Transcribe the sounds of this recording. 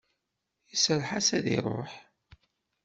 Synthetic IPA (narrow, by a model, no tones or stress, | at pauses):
isəɾħasæðḭɾˤo̰ħ